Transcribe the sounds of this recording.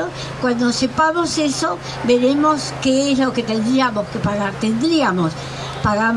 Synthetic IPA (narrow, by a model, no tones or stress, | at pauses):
o | kwand̪osepamoseso | beɾemoskeezloket̪end̪ɾiamoskepaɣaɾt̪end̪ɾiamos | paɣa